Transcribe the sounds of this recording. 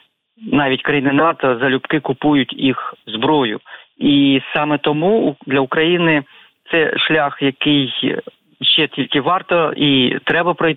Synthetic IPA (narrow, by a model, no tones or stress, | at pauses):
nɑʋʲitʲkɾɐjinɪnɑt̪ɔzɐlʲʊpkɪkʊpujʊtʲixzbɾɔjʊ̰isɑmɛt̪ɔmud̪lʲɐʊkɾɐjinɪ | t̪sɛʃlʲaxjɐkɪj | ʃt͡ʃɛtʲilʲkɪʋɑrt̪ɔit̪ɾɛbɐpɾɔj